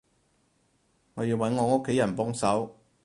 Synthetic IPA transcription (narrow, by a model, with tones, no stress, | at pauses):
ŋɔː˨˧jiː˧wɐ˨˥nŋɔː˨˧ŋo˥kʰːe˨˥jɐ˨˩npɔː˥ŋsɐ˨˥w